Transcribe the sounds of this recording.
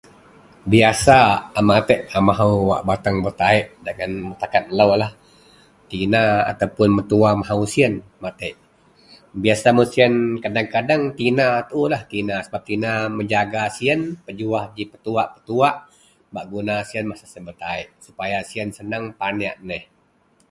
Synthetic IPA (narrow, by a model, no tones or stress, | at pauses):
biasamat̪əʔamaɦauwa̰ʔbat̪aŋbərt̪aɪʔdaŋant̪akat̪̚ləwlah | t̪inaa̰t̪awpʊnmət̪uamaɦausiənmat̪əʔ | biasamusiənkadaŋkadaŋt̪inat̪ulaht̪inasəbap̚t̪inaməɲd͡ʒaɡasiənpəd͡ʒuahd͡ʒipət̪uaʔpə̥t̪uaʔ | baʔɡunasiənmasasənbərt̪aɪʔsupajasiənsənaŋpana̰ʔnəh